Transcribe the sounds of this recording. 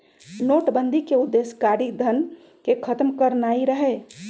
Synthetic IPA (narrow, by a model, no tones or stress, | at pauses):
noʈbənd̪ʱikeud̪ːeskaɾikd̪ʱən | kekʰət̪mkəɾnaiɾəɦɛ